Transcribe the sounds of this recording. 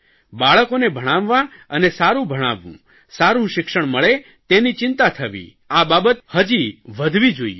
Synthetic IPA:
baɭəkonebʱəɽ̃ãʋːã | ənesaɾũbʱəɽ̃ã̰ʋːṵ̃ | saɾũʃɪkʃəɳ̃məɭe | t̪enit͡ʃɪnt̪at̪ʰəʋḭ | ababət̪həd͡ʒiʋəd̪ʱʋid͡ʒoi

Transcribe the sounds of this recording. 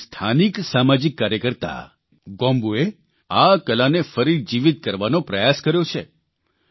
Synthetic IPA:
st̪ʰaniksamad͡ʒikːaɾjəkəɾt̪a̰ | ɡɔ̃mbue | akəlanefəɾid͡ʒiʋit̪̚kəɾʋanopɾəjaskəɾjot͡ʃʰḛ

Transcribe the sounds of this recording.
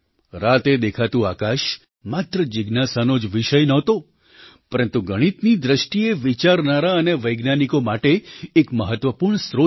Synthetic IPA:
ɾat̪ed̪ekʰat̪ũakaʃ | mat̪ɾəd͡ʒɪɡnasanod͡ʒʋiʃəjnəɦt̪o | pəɾənt̪uɡəɽ̃it̪nid̪ɾəʃʈieʋit͡ʃaɾnaɾaəneʋəjɡnanikomaʈeːkməɦət̪ʋəpuɾɳsɾo

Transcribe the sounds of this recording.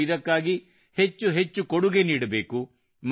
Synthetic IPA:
id̪ɐkːaːɡi | het͡ʃːuɦe̞t͡ʃːukoɽuɡe̞niːɽɐbe̞ːku | m

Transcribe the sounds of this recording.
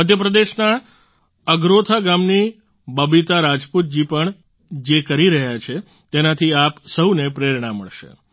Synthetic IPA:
məd̪ʱjəpɾəd̪eʃna | əɡɾot̪ʰaɡamni | bəbit̪aɾad͡ʒput̪̚d͡ʒipəɳ | d͡ʒekəɾiɾəɦjat͡ʃʰe | t̪enat̪ʰiapsəwnepɾeɾɳ̃amːə̰ɭʃḛ

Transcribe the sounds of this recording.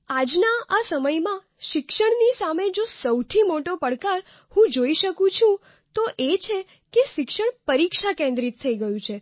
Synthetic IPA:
ad͡ʒnaasəməjmã | ʃɪkʃəɳnisamed͡ʒosəwt̪ʰimoʈopəɽkaɾ | hũd͡ʒoiʃəkũt͡ʃʰũ | t̪oʔet͡ʃʰe | keʃɪkʃəɳpəɾikʃakẽnd̪ɾit̪ʰːəiɡəjũt͡ʃʰe

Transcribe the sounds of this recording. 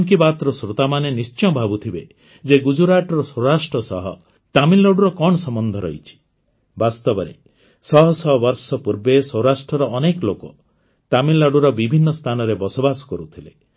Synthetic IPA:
ŋkibat̪ɾɔsɾot̪amanenist͡ʃɔ̃bʱabut̪ʰibe | d͡ʒeɡud͡ʒuɾaʈɔɾɔsɔwɾasʈɾɔsɔɦɔ | t̪amilːɔɽuɾɔkɔɳɔsɔmɔnd̪ʱɔɾɔ̰it͡ʃʰi̥ | bast̪ɔbɔɾḛ | sɔɦɔsɔbɔɾsɔpuɾbesɔwɾasʈɾɔɾɔːnekɔlokɔ | t̪amilːaɽuɾɔbibʱinːɔst̪ʰanɔɾebɔsobasɔ̥kɔɾut̪ʰilḛ

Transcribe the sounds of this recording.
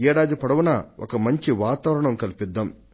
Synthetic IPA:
ɛːɽaːd̪ipɐɽɐʋunɐɔ̰kɐmɐɲt͡ʃiʋaːt̪aːʋɐɾɐɳɐmkɐlipid̪ːam

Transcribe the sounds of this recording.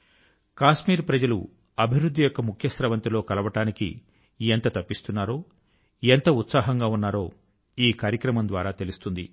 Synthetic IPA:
kaːʂmiːɾpɾɐd͡ʒɐlṵ | ɐbʱiʋɾud̪ʱːijɔkːɐmukʰjɐsɾɐʋɐnt̪ilo̞ːkɐlɐʋɐʈaːnikḭ | ent̪ɐt̪ɐpːist̪unːaːɾo̞ː | ent̪ɐut̪saːɦɐŋɡaːunːaːɾo̞ː | iːkaːɾjɐkɾɐmɐnd̪ʋaːɾaːt̪e̞lust̪und̪ḭ

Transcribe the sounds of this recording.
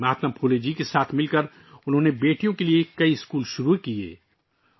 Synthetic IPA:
aːt̪mapʰuːled͡ʒiːkesaːt̪ʰmɪlkəɾ | ʊnɦõnebeːʈijõkeliekɐiɪskuːlʃʊɾukiḛː

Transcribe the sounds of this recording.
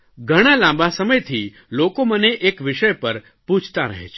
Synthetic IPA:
ɡʱəɽ̃alãmbasəməjt̪ʰi | lokoməneʔekʋɪʃəjpəɾ | put͡ʃʰt̪aɾə̰ɦḛt͡ʃʰe

